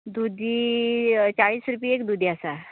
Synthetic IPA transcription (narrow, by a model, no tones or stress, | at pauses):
d̪ud̪i | t͡saɭiːsɾup̬iekd̪ud̪iasa